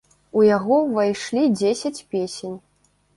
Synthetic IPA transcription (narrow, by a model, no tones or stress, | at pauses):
ujaɣɔvajʂlʲid͡zʲesʲɐt͡sʲpʲesʲenʲ